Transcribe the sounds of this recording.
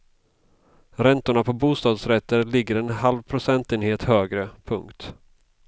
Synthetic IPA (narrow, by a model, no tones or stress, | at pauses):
ɾɛnt̪ʊɳapʰɔbuːst̪ɑːd̪sɾɛt̪ːəɾlɪɡːəɾɛnɦalvpʰɾʊsɛnt̪eːnheːt̪høːɡɾəpʰɵŋkt̪